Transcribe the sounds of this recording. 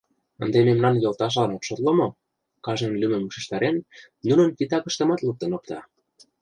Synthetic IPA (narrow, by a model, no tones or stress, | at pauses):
ə̆nd̪ememnɑnjɤlt̪ɑʃ̬lɑnɑt̪ʃot̪ləmo | kɑʒɤ̆nlymə̆mːuʃĕʃt̪ɑɾen | nunə̆nkit̪ɑkə̆ʃt̪ə̆mɑt̪luk̚t̪ə̆nok̚t̪ɑ